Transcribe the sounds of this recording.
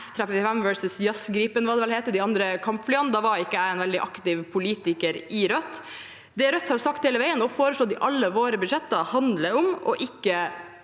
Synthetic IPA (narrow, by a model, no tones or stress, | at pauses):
ft̪ʰɾɛpfɪfɛmʋœɹsəsjɑsɡɾiːpənʋɑːd̪ɛʋɛlheːt̪əɖ̪ɪɑnd̪ɾəkʰɑmpflɪɑnd̪ɑːʋɑɾɪkːəæɪɛːnʋɛld̪ɪʔɑkt̪ɪʋpʰʊliːt̪ɪkəɾɪɾœt̪ː | d̪ɛɾœt̪ːhɑɾsɑk̚t̪heːləʋæɪənɔfoːɾəʂɭoːd̪ɪʔɑlːəʋoːɾəbʉd̪ʂɛt̪ːəhɑnd̪ləʊmɔʔɪkːə